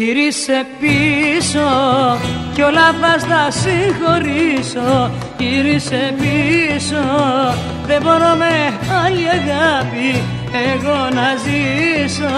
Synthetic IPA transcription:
iɾise̞piso | ceolɐθɐst̪ɐsiŋxo̞ɾiso | ʝiɾisepiso | ðeboɾo̞meɐliɐɣɐpi | eɣo̞nɐziso

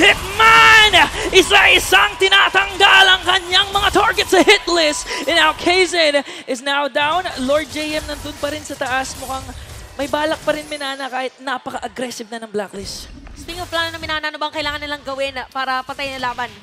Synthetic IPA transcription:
hɪt̪̚manʔɪsaɪsaŋt̪ɪnaːt̪ɐŋɡalɐŋkɐɲaŋmɐŋat̪aɹɡɛt̪sɐhɪt̪lɪsɪnawkʰejzɛnʔɪsnawd̪awnloɹd̪̚d͡ʒejʔɛmnɐnd̪ʊnpɐɾɪnsɐt̪ɐʔasmʊkaŋmɐjbaːlɐk̚pɐɾɪnmɪnaːnɐkaːhɪt̪̚napɐkɐʔɐɡɾɛsɪvnɐnɐŋblaklɪsspiŋoplaːnonɐmɪnaːnɐʔɐnobɐŋkɐʔɪlaːŋɐnːɪlaŋɡɐwɪnpaːɾɐpɐt̪ajnɐlaːbɐn

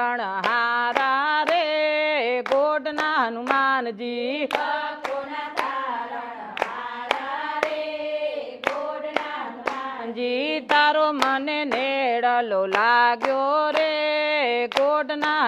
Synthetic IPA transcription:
əɽɦaɾaɾe | ɡoːɖnaɦənumaːnd͡ʒiː | d͡ʒit̪aːɾoməneneɽəlolaːɡjoɾe | ɡoːɖnaɦ

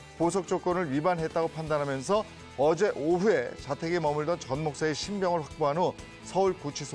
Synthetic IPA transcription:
posʰʌk̚t͡ɕ͈ok͈ʌnɯɭɥibanɦe̞t̚t͈aɡopʰandanɦamjʌnsʰʌ | ʌd͡ʑe̞ʔoɦue̞t͡ɕatʰe̞ɡemʌmuɭdʌnt͡ɕʌnmok̚s͈eeɕʰimbjʌŋɯɭɸwak̚p͈oɦano | sʰʌuɭkut͡ɕʰisʰo

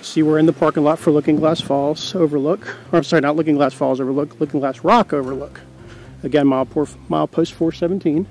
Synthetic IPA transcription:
siwə˞ɨ̃nðəpʰɑɹkɨnlɑtfə˞lʊkɪ̃ŋɡlæsfɔlˠz̥oʊvə˞lʊkə˞ãɪ̃msɑɹinətˡlʊkɪ̃ŋɡlæsfɔ̰lˠzoʊvə˞lʊklʊkɪ̃ŋɡlæsɹɑkoʊvə˞lʊk | ɨɡɛ̃nmaɪlˠpʰɔɹ | maɪlˠpʰoʊstfɔɹsɛvntʰĩn

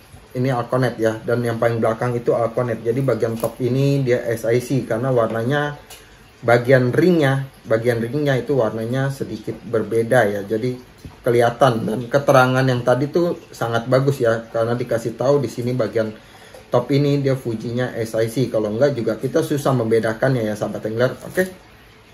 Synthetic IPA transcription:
inialkonɛt̪̚jadanjaŋpalɪŋbəlakaŋit̪ualkonɛt̪̚d͡ʒadibaɡiant̪ɔpinidiaʔɛsajsikarənawarnaɲa | baɡianriŋɲabaɡianriŋɲait̪uwarnaɲasədikɪt̪̚bərbedajad͡ʒadi | kəliat̪andankət̪əɾaŋanjaŋt̪adit̪usaŋat̪̚baɡʊsjakaɾənadikasɪht̪audisinibaɡian | t̪ɔpinidiafud͡ʒiɲaʔɛsajsikaloŋɡaʔd͡ʒuɡakit̪asusahməmbedakanjajasabat̪ɛŋlɛro̰ke

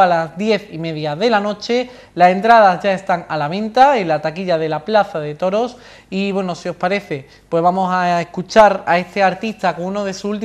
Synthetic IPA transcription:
alazðje̞θime̞ðjaðe̞lano̞t͡ʃe̞ | lase̞nt̪ɾaðazʝae̞st̪aŋalaβ̞ẽ̞nt̪aenlat̪akiʎaðe̞laplaθaðe̞t̪o̞ɾos | iβwe̞nosio̞spaɾe̞θe̞ | pwe̞zβamo̞sae̞hkut͡ʃaɾa̰e̞st̪e̞aɾt̪ist̪akouno̞ð̞e̞suult̪̬i

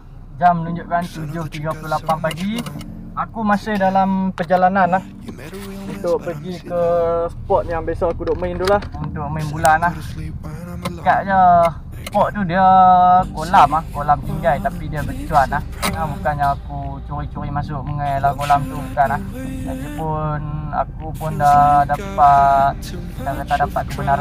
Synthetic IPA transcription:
d͡ʒamːənuɲd͡ʒʊʔkant̪ud͡ʒʊht̪iɡapəlulapampaɡi | akumasɪhdalampərd͡ʒalananlah | unt̪ʊʔpəɡikəpɔt̪̚jaŋbesɔakudʊʔmaɪnt̪ulahunt̪ʊʔməɪnbulanah | kaʔd͡ʒa | spɔʔt̪udiəkolamahkolamt̪iŋɡajt̪apidiəbərkit̪uanah | abukanjaŋakut͡ʃuɾit͡ʃuɾimasʊʔ̚məŋajlamɡolamt̪ubukanah | la̰k̪ipʊna̰kupʊndadapat̪̚ | kit̪aʔkat̪adapat̪̚kəbənala

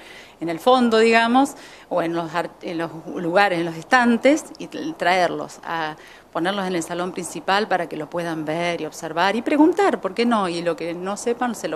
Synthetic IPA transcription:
enelfo̞nd̪o̞ðiɣamo̞s | oenlosaɾenlosluɣaɾesenlos̬est̪ant̪esit̪ɾaeɾlo̞̰sa̰ | po̞neɾlose̞ne̞lsalo̞mpɾinsipalpaɾakelopwe̞ðambeɾio̞βseɾβaɾipɾeɣunt̪aɾpo̞ɾkeno̞ilo̞keno̞sepanselo

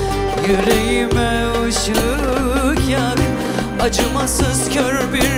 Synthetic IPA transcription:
jøɾejimɛ | oʃɯ | kjak | ad͡ʒɯmasɯzkʲʰøɾbiɾ

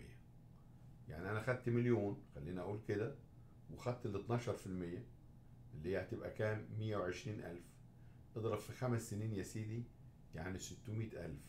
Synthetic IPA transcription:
ɪ̰jːæ | ja̰ʕniʔænæxæd̪̚t̪meljoːnxælːiːniʔæʔuːlked̪æ | wexæd̪̚t̪let̪nɑːʃɑɾˤfilmɪjːæ | ʔɪlːihejːæt̪ɪbʔæ̰kæːnmɪjːæweʕeʃɾiːnʔæ̰lf | ʔed̪ˤɾˤɑbfixæmæsːeniːnjæsiːd̪i | jaʕnisɪt̪ːʊmiːt̪ʔæ̰lf

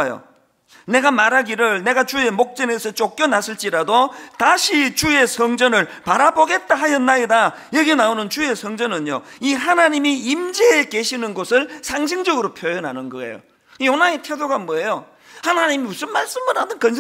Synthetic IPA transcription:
jo̰ | ne̞ɡamaɾɦaɡiɾɯɭne̞ɡat͡ɕue̞mok̚t͡ɕ͈ʌne̞sʰʌt͡ɕ͈ok͈jʌnasʰɯɭt͡ɕ͈iɾadotaɕʰit͡ɕue̞sʰʌŋd͡ʑʌnɯɭpaɾaboɡe̞t̚t͈aɦajʌnːaida | jʌɡenaonɯnt͡ɕue̞sʰʌŋd͡ʑʌnɯɲo̰iɦanaɲimiimd͡ʑeːke̞ɕʰinɯnɡosʰɯɭsʰaŋɕ̬ʰiŋd͡ʑʌɡɯɾopʰjojʌnɦanɯnɡʌḛjo̰ | ionaetʰedoɡamwʌejo | hanaɲimimusʰɯnmaɭs͈ɯmɯnadɯnkʌns

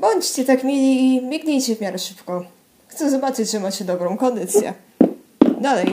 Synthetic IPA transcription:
bɔɲt͡ɕt͡ɕɛt̪akmʲelʲiːmʲiɡɲʲejt͡ɕɛvmʲjaɾɛʂɘpkɔ | xt̪sɛzɔbat͡ʂɘt͡ɕʐɛmat͡ɕɛd̪ɔbɾɔ̃w̃kɔnd̪ɘt̪sʲjɛ̰ | d̪alɛj

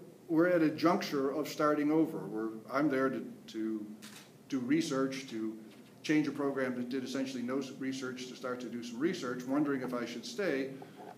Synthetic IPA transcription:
wɪɹɨɾɨd͡ʒʌ̃ŋk̚t͡ʃə˞ʌv̥stɑɹɾɪ̃ŋoʊvə̰˞wɪɹãɪ̃mðə˞ɾɨɾʰɨ | d̥ɨɹisɜ˞t͡ʃtʰɨ | t͡ʃʰẽɪ̃nd͡ʒɨpʰɹ̥oʊɡɹæ̃mðɨt̚d̥ɨɾɨsɛ̃nʃl̩ˠinoʊzɹisɜ˞t͡ʃtʰɨstɑɹtʰɨdɨsʌ̃mɹisɜ˞t͡ʃwʌ̃ndə˞ɪ̃ŋɨfaɪʃɨd̥steɪ

